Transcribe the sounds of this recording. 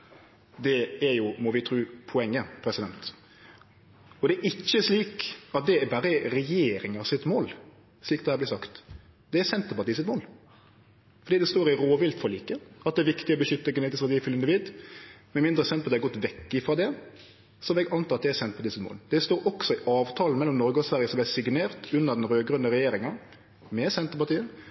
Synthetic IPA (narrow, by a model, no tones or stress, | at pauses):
d̪ɛɛɾjʊmɔʋɪt̪ʰɾʉːpʰʊɛŋːəpʰɾɛsɪd̪ɛnt̪ | ɔd̪ɛæɾʔɪçːəsliːkɑt̪̚d̪ɛbɑːɾəɾɛjeːɾɪŋɑsɪt̪moːl | sliːkɑd̪ɛhæɾblɪsɑkt̪ | d̪̥ɛæɾsɛnt̪əpɑt̪iːsɪt̪moːl | fɔɾɖiːd̪ɛst̪oːɾɪɾoːʋɪlt̪fɔɾɭiːkəɑt̪̚ɛːɾʋɪkt̪ɪɔbəʃʏt̪ːəɡʉneːt̪ɪsɑt̪iːfʉlɪnd̪ɪʋiːd̪mɛnmɪnd̪ɾəsɛnpʰɔt̪d̪ɛhɑɡɔt̪ːʋɛkːɪfɾɑːd̪ɛ | sɔʋɛɡɑnt̪ɑːɑt̪̚d̪ɛæsɛnt̪pɑt̪iːsɪt̪mo̰ːld̪ɛst̪oːɾʔɔksɔɪʔɑːʋt̪ʰɑːlən̩mɛlːɔmnɔɾɡəɔsʋæʁjəsɔmb̪æɪsɪɡneːɾt̪ʉnːəɾd̪ɛnɾøːɡɾʉnd̪əɾɛjeːɾɪŋɑ | mɛsɛnt̪əɾpɑt̪iːən